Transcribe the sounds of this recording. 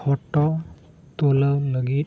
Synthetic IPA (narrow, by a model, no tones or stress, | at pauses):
hɔtɔ | t̪oləwləɡit̪̚